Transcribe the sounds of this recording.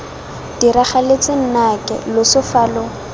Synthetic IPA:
d̥iɾaχalet͡sɪn̩nakʼɛ̰lʊsʊfaːlʊ

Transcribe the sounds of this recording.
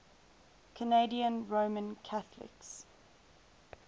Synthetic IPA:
kʰəneɪdiə̃nɹəʊmə̃nkʰaθlɪ̰ks

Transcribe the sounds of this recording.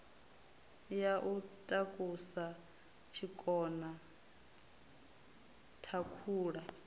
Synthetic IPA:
jaʔutʼakʼusa | t͡ʃʰikʼɔna | tʰakʰuːɺa

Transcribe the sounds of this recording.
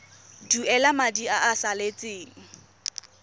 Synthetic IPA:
duɛlamadiaʔasalet͡sʼeːŋ̩

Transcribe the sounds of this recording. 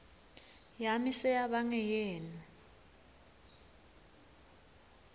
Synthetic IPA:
jamisɛjaɓaŋɛjɛːnɔ

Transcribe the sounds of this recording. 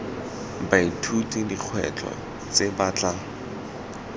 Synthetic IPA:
baitʰutidiq͡χʰwɛ̰t͡ɬʼɔ̰ | t͡sebaːt͡ɬa

